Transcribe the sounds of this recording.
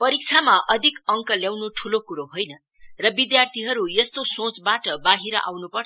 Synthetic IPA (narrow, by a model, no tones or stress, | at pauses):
pʌɾik̚t͡sʰamaʔʌd̪ʱikʌŋkʌljawnuʈʰulokuɾoɦojnʌ | rʌbid̪jart̪ʰiɦʌɾujest̪osõt͡sbaʈʌbaɦiɾʌ̰ʔa̰wnupʌrʰ